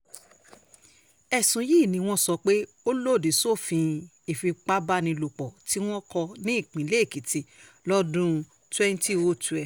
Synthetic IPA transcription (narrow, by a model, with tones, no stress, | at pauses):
ɛ˦˨sũ˨˦ji˦˨nĩ˨˦w̃ɔ̃˦sɔ˧k͡pe˦ | o˦lo˦˨di˨so˦˨fĩ˧ | i˨fi˧k͡pa˦ba˦nĩ˧lo˨k͡pɔ˨ti˦w̃ɔ̃˦kɔ˧nĩ˦i˦˨k͡pĩ˨˦le˦˨ki˨ti˨˦ | lɔ˦dũ˦ | twɛ˦n˦ti˦o˦tu˨ɛ˧